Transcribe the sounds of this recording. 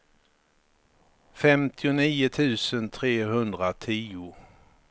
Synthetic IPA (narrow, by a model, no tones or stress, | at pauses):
fɛmt̪ʰɪʊniːʊt̪ʰʉ̟ːsənt̪ʰɾeːɦɵnd̪ɾat̪ʰiːʊ